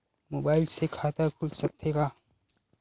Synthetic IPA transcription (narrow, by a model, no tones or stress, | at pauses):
moːbaːɪlsekʰaːt̪akʰʊlsɐk̚t̪ʰeɡaː